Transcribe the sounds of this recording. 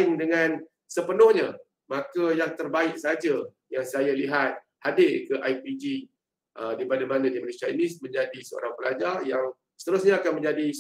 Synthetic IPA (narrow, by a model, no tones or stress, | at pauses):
ɪŋdəŋãn | səpənʊhɲa | makajaŋt̪ərbaɪk̚sad͡ʒa | jaŋsajaliɦat̪̚ | hadɪlkəʔajpid͡ʒi | ʔədipadamanãdimənesainismə̃ɲd͡ʒadisəo̰ɾaŋbəlad͡ʒarjaŋ | sə̥t̪əɾʊsɲaakanmə̃ɲd͡ʒadi